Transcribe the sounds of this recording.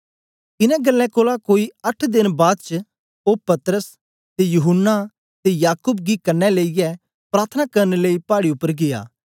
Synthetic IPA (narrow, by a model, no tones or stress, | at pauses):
kɪnɛ̃ɡɐlːɛ̃koːlakoːiɐʈʰd̪ɪnbaːd̪t͡ʃə | oːpɐt̪ɾəs | t̪ejʊɦʊnːa | t̪ejaːkʊːbɡikɐnːɛleːijɛ | pɾaːɾt̪ʰənakɐɾnleipaːɽiʊpːəɾɡɪːja̰ː